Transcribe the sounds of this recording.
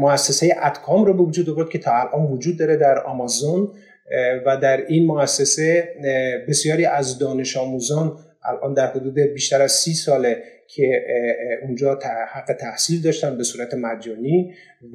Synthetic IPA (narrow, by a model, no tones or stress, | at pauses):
moæsːesejeʔæt̪kʰɒːmɾobevod͡ʒuːd̪ovoɾd̪̚cʰe̞t̪ʰɒːælʔɒːnvod͡ʒuːd̪̚ːɒːɾed̪æɾɒ̰mɒzon | væd̪æɾinmoæsːese | be̞sjɒːɾiːʔæzd̪ɒːne̞ʃɒːmuːzɒːn | ʔæ̰lʔɒ̰ːnd̪æɾhod̪uːd̪ebiːʃt̪æɾæz̥siːsɒːlecʰe | und͡ʒɒːt̪ʰhæɡːe̞t̪ʰæhsiːld̪ɒːʃt̪ænbe̞suːɾæt̪ʰemæd͡ʒɒːniː